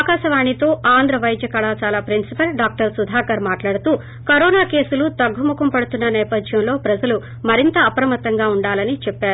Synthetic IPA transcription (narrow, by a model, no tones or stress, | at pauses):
aːkaːʃɐʋaːɳit̪o̞ːʔaːnd̪ɾɐʋɐjd̪jɐkɐɭaːt͡ʃaːlaːpɾinsipɐlɖaːk̚ʈɐɾsud̪ʱaːkɐɾmaːʈlaːɽut̪uː | kɐɾoːnaːke̞ːsulut̪ɐɡːumukɐmpɐɽut̪unːɐnɛːpɐd̪ʱjɐmlo̞ːpɾɐd͡ʒɐlu | mɐɾint̪ɐːpɾɐmɐt̪ɐŋɡaːuɳɖaːlɐnit͡ʃɛpːaːɾu